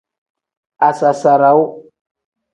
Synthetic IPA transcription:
a˨sa˨sa˨ɾa˨˦w

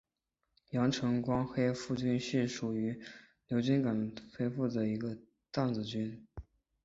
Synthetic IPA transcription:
jɑ˧˥ŋʈ͡ʂʰɤ˧˥ŋkwɑ˥ŋxe˥ɪfu˥˧t͡ɕy˥˧nɕy˥˩ʂu˨˩y˧˥ | ljo˧˥ʊt͡ɕy˥nka˨˩nfe˥ɪfu˥˩d̪ə˩i˧˥ɡə˧ | t̪a˥˩nt͡sɹ̩˨˩t͡ɕy˥n

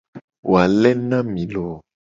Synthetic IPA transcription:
wʔo˨a˨lɛ˦nã˦mĩ˨lɔ˨

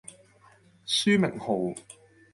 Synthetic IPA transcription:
syː˥mɪ̰˨˩ŋho˨˩w

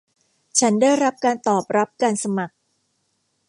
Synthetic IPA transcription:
t͡ɕʰa˦˥ndaː˥˩jɾa˦˥p̚kaː˧nt̪ɔː˨˩p̚ɾa˦˥p̚kaː˧nsa˧ma˨˩k̚

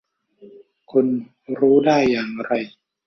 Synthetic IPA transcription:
kʰo˧n | ɾuː˦˥daː˥˩jːaː˨˩ŋɾa˧j

